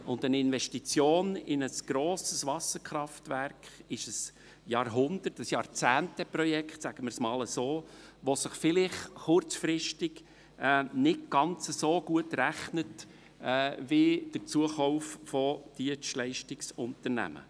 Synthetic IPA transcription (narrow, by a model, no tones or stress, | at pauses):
ʊndənɪnvɛʃtit͡sjoːnɪnəsɡ̥ɾoːsəsʋɑsəɾkʰɾɑftvæɾkχɪʃəs | jɑːɾɦʊnd̪ətəsjɑːɾt͡sæːntɛpɾɔjɛkχtsæɡ̥əmɪɾsmɑːləsoːʋosəχfɪlɪχχʊɾt͡sfɾɪʃtɪɡ | ɛnɪtɡ̥ɑnt͡səsoːɡuətɾæχnətː | vɪd̥əɾt͡suəχɔwffɔd̥iəslɛɪʃtɪksʊntəɾnæ̰mə̰